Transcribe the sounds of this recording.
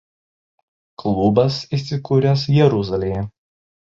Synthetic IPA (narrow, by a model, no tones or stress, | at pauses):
klˠʊbɐsiˑsʲɪkuːɾʲɛs̬jɛɾʊzɐlʲejɛ